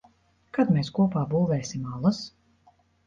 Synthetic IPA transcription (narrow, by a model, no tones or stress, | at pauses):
kad̪meskuɔpaːbuːvɛːsimalˠas